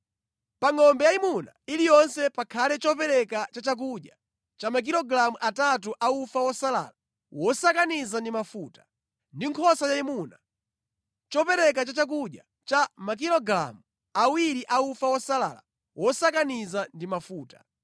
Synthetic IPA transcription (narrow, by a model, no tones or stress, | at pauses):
paŋɔmbɛjaimunailijɔnsɛpakʰalɛt͡ʃɔpɛɾɛkat͡ʃat͡ʃak̬uɗja | t͡ʃamak̬iɾɔɡɾamuʔatat̬uʔaufawɔsala̰ːla | wɔsakanizandimafuːtḁ | ndiŋkʰɔsajaimuna | t͡ʃɔpɛɾɛkat͡ʃat͡ʃak̬uɗja | t͡ʃamak̬iɾɔɡɾa̰mu | awiɾiʔaufawɔsala̰la̰ | wɔsakanizandimafuːtḁ̰